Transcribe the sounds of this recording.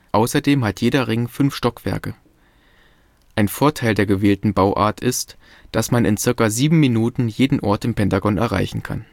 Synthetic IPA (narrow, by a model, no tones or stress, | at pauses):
ʔaʊsɐdeːmhatjeːɾɐʁɪŋfʏnfʃtɔkv̥ɛ̰ɐkə | ʔaɪnfoːɐtʰaɪldeːɐɡəveːltn̩baʊʔa̰ːɐtʰɪst | d̥asmanɪ̰nt͡sɪɐkaziːbm̩minuːtn̩jeːdn̩ʔɔɐtɪmpɛntaɡɔnɛ̰ɐʁa̰ɪçn̩kʰa̰n